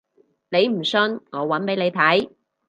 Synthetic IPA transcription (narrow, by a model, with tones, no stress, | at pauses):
ne˨˧jm̩˨˩sɵ˧nŋɔː˨˧wɐ˨˥npe˨˥jle˨˧jt̪ʰɐ˨˥j